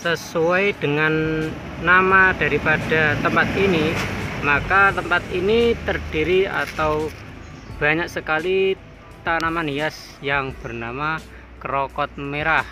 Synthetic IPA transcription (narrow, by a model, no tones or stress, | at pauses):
səsuajd̥əŋanː | amad̥aɾipad̥at̪əmpat̪inimakat̪əmpat̪̚init̪ərd̥iɾia̰t̪aw | b̥a̤ɲak̚səkali | t̪anamanias | jaŋb̥ərnama | kɾɔkɔt̪̚meɾah